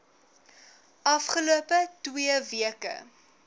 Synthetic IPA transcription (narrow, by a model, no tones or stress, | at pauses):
ʔɐfχəluəpətwiəviəkə̰